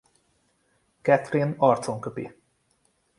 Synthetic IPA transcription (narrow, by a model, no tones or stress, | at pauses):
kɛt̪rinɒrt̪soŋkøpḭ